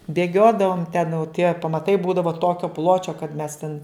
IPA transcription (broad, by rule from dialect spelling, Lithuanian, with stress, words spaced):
bʲeːˈɡʲoːdɐʋoːm tʲɛn jɛʊ tʲiɛ pɐmɐˈtɐɪ ˈbuːdɐʋoː ˈtoːkʲoː ˈplˠoːt͡ʃʲoː kɐt mʲɛs tʲɛn